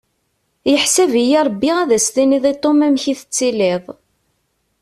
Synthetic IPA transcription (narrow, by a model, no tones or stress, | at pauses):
jəħsævijiɾˤbːiʁæðæst̪iniðˤit̪ˤːomæmçiθət͡sːiliðˤ